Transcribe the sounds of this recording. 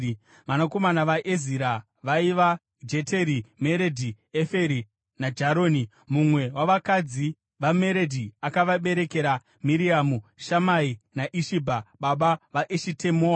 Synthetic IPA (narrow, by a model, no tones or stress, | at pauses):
ʋanako̞manaʋaʔeziɾa | ʋaiʋa | d͡ʒe̞te̞ɾime̞ɾe̞dʱi | efe̞ɾi | nad͡ʒaɾoːni | mumwe̞waʋakad͡zi | ʋame̞ɾedʱiakaʋaɓe̞ɾe̞ke̞ɾa | miɾiamuʃamainaʔiʃibʱaɓaɓaʋaʔeʃitemoːa